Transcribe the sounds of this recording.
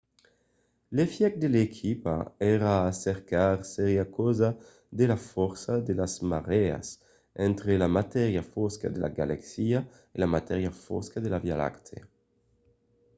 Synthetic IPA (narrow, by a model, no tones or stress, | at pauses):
lefjɛk̚d̪elekʰipa̰eɾaːseɾkaɾseɾjakoza | d̪elafɔɾsad̪elazmaʁea̰s | ɛnt̪ɾelamat̪ɛɾjafoska̰d̪elʔa̰ɡalaksia | ilamat̪ɛɾjafo̰skaðelavjala̰kt̪ʰḛ